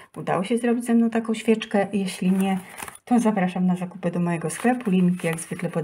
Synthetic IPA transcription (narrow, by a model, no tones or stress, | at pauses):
ud̪a̰wɔɕɛzɾɔbʲid͡ʑʲzɛmnɔ̃w̃t̪̬akɔ̃w̃ɕfʲjɛt͡ʂkɛjɛɕlʲiɲɛt̪ɔzapɾaʂamnazakupɘd̪ɔmɔjɛɡɔsklɛpulʲimʲkʲijaɡzvɘklɛpɔd̪